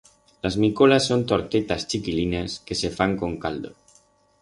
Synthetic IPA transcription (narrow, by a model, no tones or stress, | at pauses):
lazmikolasːont̪oɾt̪et̪ast͡ʃikilineskesefaŋkoŋkald̪o̰